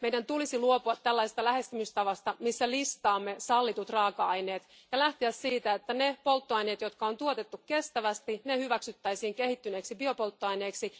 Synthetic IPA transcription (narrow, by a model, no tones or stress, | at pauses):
meijdænt̪ulisiluo̞puɑt̪ːælːæisest̪ɑlæhe̞st̪ymyst̪ɑʋɑst̪ɑmisːælist̪ɑːmːe̞sɑlːit̪ut̪rɑːkɑɑjne̞ːt̪ | jɑlæht̪iæssiːt̪æet̪ːænepo̞lt̪ːoɑjne̞ːt̪jo̞t̪kɑo̞nt̪uot̪e̞t̪ːukke̞st̪æʋæst̪inehyʋæksyt̪ːæjsiːŋke̞hit̪ːyneksibio̞po̞lt̪ːoɑjne̞ːksi